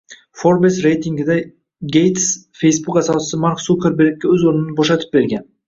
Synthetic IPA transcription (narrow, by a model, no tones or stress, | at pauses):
fo̞ɾbesɾe̞jt̪ʰiŋɡʲɪd̪a | ɡʲejt̪sfe̞jsbukasɒsɪ̥sɪmaɾksupʰʲeɾbeɾɪkʲːaɵzoɾnɪnɪboʃat̪ʰɪ̥p̚be̞ɾɡʲan